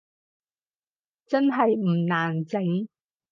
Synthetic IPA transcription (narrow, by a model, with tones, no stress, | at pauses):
t͡sɐ˥nɦɐ˨jm̩˨˩naː˨˩nt͡sɪ˨˥ŋ